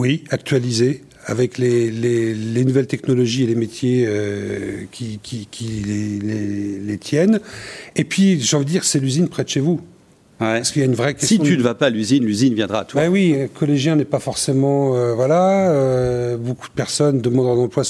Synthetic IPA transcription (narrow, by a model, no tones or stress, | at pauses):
wiak̚t̪ɥalize | avɛklelelenuvɛlt̪ɛknɔlɔʒielemet̪jeø | kʲikʲʰikʲilelelet̪ʰjɛnepɥiʒɑ̃vid̪d̪iʁsɛlyzinpχɛt̪əʃevu | aʁsə̥kiljaynvʁɛkʲɛssiɔynvapalyzinlyzinvjɛ̃d̪ʁat̪ʰbɛwĩkʰɔleʒjɛ̃nɛpafɔʁsemɑ̃øvwalaøboku̥d̪əpɛʁsɔnd̪əmɑ̃d̪ʁɛ̃nɑ̃plwa